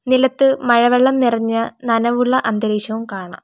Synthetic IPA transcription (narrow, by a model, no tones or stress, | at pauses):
nilɐt̪ːɨmɐɻɐʋeɭːɐmnirɐɲːɐnɐnɐʋuɭːɐʔɐnd̪ɐɾiːɕɐʋumkaːɳa̰m